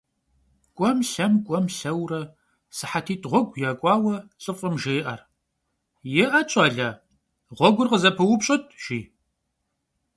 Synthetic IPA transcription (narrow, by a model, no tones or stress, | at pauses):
kʷʼɔmɬɐmkʷʼɔmɬɐwrɐ | sɨħatʰiːtʰʁʷɔɡʷjaːkʷʼɑːwɐt͡sʼɨfʼɐmʒejʔɐr | jɪʔɐt͡ʃʼɑːɮaː | ʁʷɔɡʷʊrqəzɐpʰɐwʊpɕʼɐtʰʒ̥iː